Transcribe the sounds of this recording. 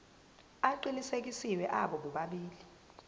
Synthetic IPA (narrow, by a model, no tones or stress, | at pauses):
aǃilisek̬isiwɛʔaɓɔɓuɓaɓiːli